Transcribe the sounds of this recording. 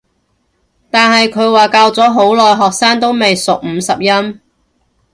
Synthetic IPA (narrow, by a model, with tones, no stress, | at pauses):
t̪aː˨nhɐ˨jkʰɵ˨˧ɥwaː˨kaː˧wt͡sɔː˨˥ɦo˨˥wlɔː˨˩jɦɔː˨k̚saː˥ŋt̪o˥wme˨jsʊ˨k̚m̩ː˨˧sɐ˨p̚jɐ˥m